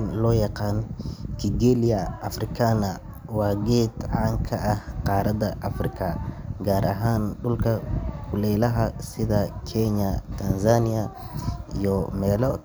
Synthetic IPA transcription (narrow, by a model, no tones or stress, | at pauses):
nlɔːjɑqɑːnkʰiɡɛlɪjɐʔɐfrɪkʰanɐ | wɑːɡɛːd̪ʕaːŋkʰɐʔɐhqɑːɾɐd̪ɐʔɐfrɪkʰɐɡaːɾʔɐ̰ɦaːnɖʊlkʰɐkʰʊlɛːlɐɦɐsɪðɐkʰɛɲɐt̪ʰansanɪɐ | ijɔmɛːlɔ